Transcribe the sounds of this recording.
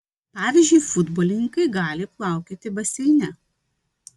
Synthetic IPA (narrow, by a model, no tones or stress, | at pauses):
pɑːʋʲiːzʲd͡ʒʲʊɪfʊd̪bɔlʲɪnʲɪŋkɐɪɡɑːlʲɪplˠɑˑʊkʲeːt̪ʲɪbɐsʲɛɪnʲɛ